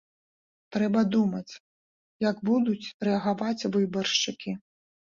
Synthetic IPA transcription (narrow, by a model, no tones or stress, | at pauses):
t̪ɾɛbɐd̪umɐt͡sʲ | jɐɡbud̪ut͡sʲɾɛɐɣavat͡sʲvɨbɐrʂt͡ʂɨkʲi